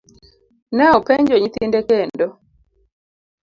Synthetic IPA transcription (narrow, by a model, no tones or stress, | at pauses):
nɛɔpɛɲd͡ʒɔɲit̪indɛkɛndɔ